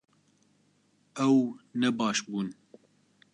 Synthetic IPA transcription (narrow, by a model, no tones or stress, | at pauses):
ɛwnɛbɑːʃbuːn